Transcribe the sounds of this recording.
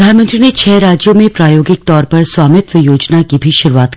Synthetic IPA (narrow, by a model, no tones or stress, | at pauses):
d̪ʱaːnmə̃nt̪ɾinet͡ʃʰɛːɾaːd͡ʒjomẽpɾaːjoːɡɪk̚t̪ɔːɾpɐɾswaːmɪt̪ʋəjoːd͡ʒnakibʱiʃʊɾuaːt̪